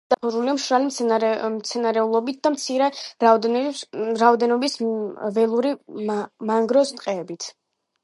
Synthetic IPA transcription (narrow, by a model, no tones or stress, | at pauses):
d̪̥aχɔɾuliamʃɾalimmt̪sʰɛnaɾɛulˠɔbit̪̚ʰd̪amt̪sʰiɾɛɾa | ɾaɔd̪ɛnɔbisvɛlˠuɾimaŋɡɾɔst̪ʼqʼɛːbit̪ʰ